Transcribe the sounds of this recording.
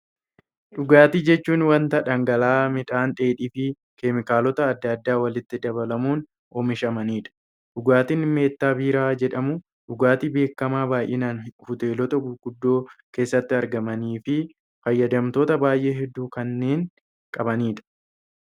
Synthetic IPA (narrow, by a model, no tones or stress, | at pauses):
ᶑʊɡaːt̪iːd͡ʒɛt͡ʃːuːnwɐnt̪ɐᶑɐŋɡɐlaːmɪᶑ̪aːnᶑ̪ʼeːᶑiːfɪ | kemɪkaːlɔt̪ɐːd̪ːɐd̪ːaːwɐlɪt̪ːɪd̪ɐβɐlɐmuːn | ɔmɪʃɐmɐniːᶑɐ̥ | ᶑʊɡaːt̪inme̞ːt̪ːaːbiːɾaːd͡ʒɛᶑɐmʊ | ᶑʊɡaːt̪iːbe̞ːkːɐmaːbaːjʔɪnaːnhʊt̪e̞ːlɔt̪ɐɡɡ̥ʊd̪ːo̞ːke̞ːsːɐt̪ːɪɐɾɡɐmɐniːfɪ | fɐjːɐd̪ɐmt̪o̞ːt̪ɐbaːjʔe̞ːɦɛd̪ːuːkɐnːe̞ːŋ | kʼɐbɐniːᶑɐ̥